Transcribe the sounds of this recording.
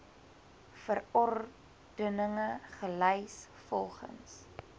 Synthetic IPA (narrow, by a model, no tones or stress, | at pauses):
fərɔr | d̥ənəŋəχəlɛjs | fɔlˠχə̰ns